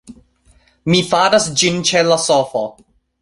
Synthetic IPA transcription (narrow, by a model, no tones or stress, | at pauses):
mifaɾasd͡ʒint͡ʃelasofo̰